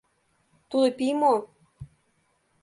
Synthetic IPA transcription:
t̪ud̪epimo

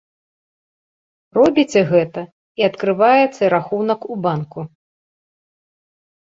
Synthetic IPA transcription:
rɔbʲit͡sʲɛɣɛt̪ɐ | iɐt̪kɾɨvajɛt̪sːɐiɾaxunɐkubanku

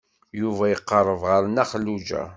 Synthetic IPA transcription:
juvæjəqːərˤːəvʁəɾnæχəlːud͡ʒæ̰

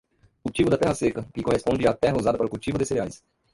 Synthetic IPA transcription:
kut͡ʃivʊd̪ɐt̪ɛhɐsekɐkɪkohespõnd͡ʒɪat̪ɛɦɐuzad̪ɐpaɾʊkut͡ʃivʊd̪ɪseɾeajs

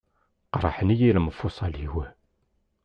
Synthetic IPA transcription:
qɾˤɑħənijiləməfːusˤɑlhiwæ

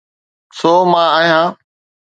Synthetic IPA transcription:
soːmãːaːɦijãː

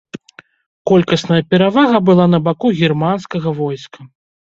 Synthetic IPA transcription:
kɔlʲkɐsnɐjɐpʲɛɾavaɣɐbɨlˠanɐbakuɣʲirmanskɐɣɐvɔjskɐ

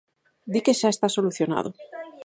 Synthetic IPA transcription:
d̪ikeʃaest̪asoluθjona̰ð̞ʊ̰

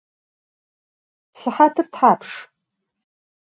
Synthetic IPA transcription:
sɨħatʰɨrtʰħapʰʂ

